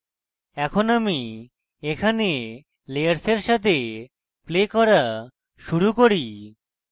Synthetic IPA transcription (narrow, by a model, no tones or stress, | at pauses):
ɛkʰonami | ekʰane | lejaɾseɾʃat̪ʰe | plekɔɾa | ʃuɾukoɾi